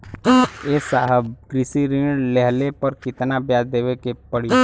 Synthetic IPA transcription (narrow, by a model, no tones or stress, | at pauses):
esaɦəbkɾɪsiɾɪlɛɦlepəɾkɪt̪nabjaːd͡ʒd̪eːʋekepəɽi